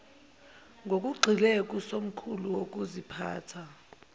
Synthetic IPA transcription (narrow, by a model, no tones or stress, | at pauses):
ŋɡʱok̬ʼuɡ͡ǀʱilɛk̬ʼusom̩kʰuluwok̬ʼuzipʰa̰ːtʰa